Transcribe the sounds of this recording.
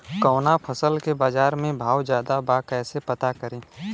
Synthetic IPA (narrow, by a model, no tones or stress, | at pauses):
kɔːnapʰəsəlkebaːd͡ʒaːɾmẽbʱaːwd͡ʒjaːd̪abaːkɛːsepɐt̪akəɾẽː